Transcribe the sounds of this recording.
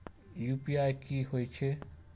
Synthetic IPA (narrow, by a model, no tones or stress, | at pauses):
juːpiajkiɦojt͡ʃʰe